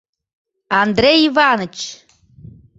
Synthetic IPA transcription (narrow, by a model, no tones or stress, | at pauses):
and̪rejivanɨt͡ʃ